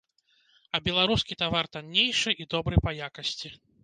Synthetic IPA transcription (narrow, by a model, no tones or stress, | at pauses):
ɐbʲɛlˠaɾuskʲit̪avart̪anʲːejʂɨʔid̪ɔbɾɨpɐjakɐsʲt͡sʲi